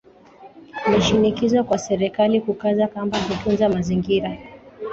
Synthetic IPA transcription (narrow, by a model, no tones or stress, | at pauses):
mɛʃinikizakwasɛɾɛkalikukazakambahutunzamaziŋɡiɾa